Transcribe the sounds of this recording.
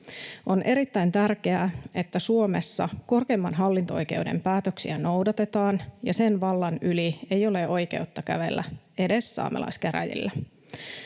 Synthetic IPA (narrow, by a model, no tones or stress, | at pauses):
ʔo̞nʔe̞ɾit̪ːæjnt̪ærke̞æe̞t̪ːæsuo̞me̞sːɑ̰ko̞rke̞ːmːɑnɦɑlːint̪oo̞jke̞̰wde̞̰mpæːt̪øksiæno̞wdɑt̪e̞t̪ɑːnjɑsenʋɑlːɑnylie̞jo̞le̞ʔo̞jke̞̰wt̪ːɑkæ̰ʋe̞̰lːæ̰ | e̞de̞sːɑ̰ːmḛlɑ̰iskeɾæ̰jḭlːæ